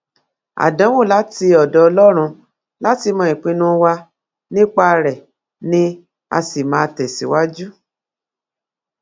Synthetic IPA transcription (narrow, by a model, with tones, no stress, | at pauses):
a̰˨dã˨˦wo˦˨la˨˦ti˧ɔ˨dɔ˨ɔ˧lɔ˦ɾ̃ũ˧ | la˦ti˧mɔ̃˧i˨k͡pĩ˨˧nũ˧wa˧ | nĩ˦k͡pa˦˧ɾɛ˨ | nĩ˦ | a̰˧si˨mãː˨˧˦tɛ˨si˨˦wa˦d͡ʒu˦